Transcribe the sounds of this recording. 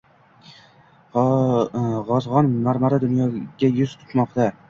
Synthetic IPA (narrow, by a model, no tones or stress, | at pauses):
ʁɒzʁɒnmaɾmaɾad̪ʊnjɒɡʲajʊz̥t̪ʰʊ̥t̪mɒqt̪a